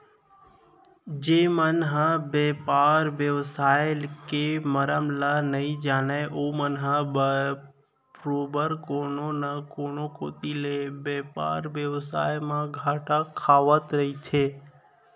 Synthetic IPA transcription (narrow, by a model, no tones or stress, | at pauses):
d͡ʒemənɦəbɛpaɾʋjəʋsajlkeməɾəmlanəĩd͡ʒanajʔomənɦəbə | pɾobəɾkononakonokot̪ilebɛpa̰ɾʋjəʋsa̰jmãɡʱaʈakʰaʋət̪ɾəɦit͡ʃʰe